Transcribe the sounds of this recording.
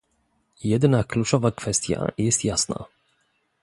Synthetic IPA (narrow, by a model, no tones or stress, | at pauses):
jɛd̪nakʰlut͡ʂɔvakfɛst̪ja̰jɛst̪jasna̰